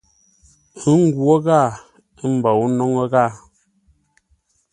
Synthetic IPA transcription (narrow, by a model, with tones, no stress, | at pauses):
ɨ˦ŋ˦ɡwo˦ɣa˦˨˦ | m̩˨ba˨wu˦nɔ˦ŋə˦ɣa˦˨